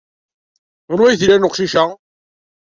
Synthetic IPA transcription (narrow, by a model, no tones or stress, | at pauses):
ɾwæjθilænʊqʃiʃa